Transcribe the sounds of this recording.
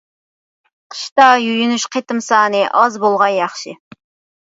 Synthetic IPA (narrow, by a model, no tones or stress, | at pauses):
qʰə̥ʃt̪ɑjyjynyʃqʰet̪ɨmsɑːnɨʔɑzbolˠʁɑnjɑχʃɨ